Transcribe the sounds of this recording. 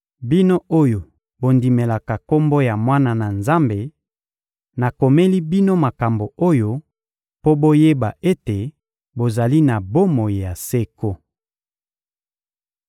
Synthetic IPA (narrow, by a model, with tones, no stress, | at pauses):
bi˦no˦o˦jo˨ | bo˨ndi˨me˨la˨ka˨ko˦mbo˦ja˨mwa˦na˨na˨nza˦mbe˨ | na˨ko˨me˦li˦bi˦no˦ma˨ka˨mbo˨o˦jo˦ | po˦bo˦je˦ba˨e˦te˨ | bo˨za˨li˦na˨bo˦mo˨ji˨ja˨se˦ko˦